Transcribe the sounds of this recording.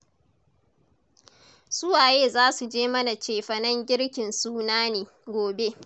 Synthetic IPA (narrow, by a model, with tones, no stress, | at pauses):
sʊ˦waː˨jeː˦zaː˦su˨d͡ʒeː˦mɐ˦na˨t͡ʃeː˨ɸɐ˨nɐ˦ŋɡʲɪ˦ɽkʲɪ˨nsuː˦naː˦neː˨ | ɡʷoː˨be˦